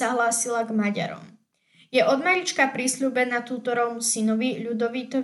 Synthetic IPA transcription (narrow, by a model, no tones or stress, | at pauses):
aɦlaːsilaɡmaɟa̰ɾɔ̰m | jɛʔɔd̪maɾit͡ʃkapɾisʎuːbɛnat̪uːt̪ɔɾɔʊmsinɔʋiʎud̪ɔʋiːt̪ɔ